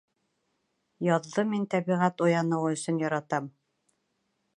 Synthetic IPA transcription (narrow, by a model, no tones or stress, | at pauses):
jɑðːɤmint̪æβiʁæt̪ojɑnɤ̆wɤɵ̆sɵ̆njɑɾɑt̪ɑm